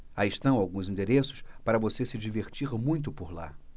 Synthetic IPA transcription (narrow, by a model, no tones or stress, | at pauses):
aɪʃt̪ɐ̃w̃awɡũzĩnd̪eɾesʊ̥spaɾɐvosesɪd͡ʒiveɾt͡ʃiɾmũj̃t̪ʊpʊɾla̰